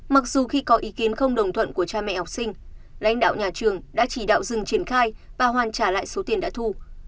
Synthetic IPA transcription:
ma˨˩k̚zu˨˩xi˧kɔ˨˦ʔi˨˦ki˨˦ənxə˧wŋ͡mɗə˨˩wŋ͡mt̪ʰwə̰˧˨nku˧˩ət͡ɕaː˧mɛ̰˧˨hɔ˨˩k͡p̚sï˧ŋ̟ | la̰˧˥jŋ̟ɗa̰ː˧˨wɲaː˨˩t͡ɕɨ˨˩əŋɗa̰ː˧˥t͡ɕi˧˩ɗa̰ː˧˨wzɨ˨˩ŋt͡ɕi˧˩ənxaː˧jvaː˨˩ɦwaː˨˩nt͡ɕaː˧˩la̰ː˧˨jso˨˦t̪i˨˩ənɗa̰ː˧˥t̪ʰu˧

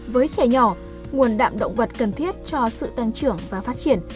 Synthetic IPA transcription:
vəː˨˦jt͡ɕɛ˧˩ɲɔ˧˩ | ŋu˨˩ənɗa̰ː˧˨mɗə̰˧˨wŋ͡mvə˨˩t̚kə˨˩nt̪ʰi˦˥ət̚t͡ɕɔ˧sɨ̰˧˨t̪a˧ŋt͡ɕɨ˧˩əŋvaː˨˩faː˦˥t̚t͡ɕi˧˩ən

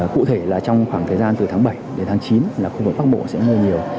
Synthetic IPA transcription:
kṵ˧˨t̪ʰe˧˩laː˨˩t͡ɕɔ˧wŋ͡mxwaː˧˩ŋt̪ʰəː˨˩jzaː˧nt̪ɨ˨˩t̪ʰaː˨˦ŋɓə˧˩jɗe˨˦nt̪ʰaː˨˦ŋt͡ɕi˨˦nlaː˨˩xu˧vɨ˨˩k̚ɓa˦˥k̚ɓo̰˧˨sɛ̰˧˥mu˧ɲi˨˩əw

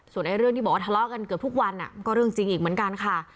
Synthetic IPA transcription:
su˨˩ənʔa˧jɾɯ˥˩ŋʰiː˥˩bːwa˥t̪ʰlɔː˦˥˩ka˧nkɯ˨˩p̚t̪ʰu˥˩k̚wa˧nʔa̰˨˩kɔː˥˩ɾɯ˥˩əŋt͡ɕi˧ŋʔiː˨˩k̚mɯ˩˦ənka˧nkʰa˥˩

